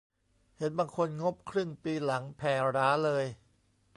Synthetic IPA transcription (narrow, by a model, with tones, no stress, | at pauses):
he˩˦nbaː˧ŋkʰo˧nŋo˦˥p̚kʰɾɯ˥˩ŋpiː˧la˩˦ŋpʰɛː˧˩ɾaː˦˥lɤː˧j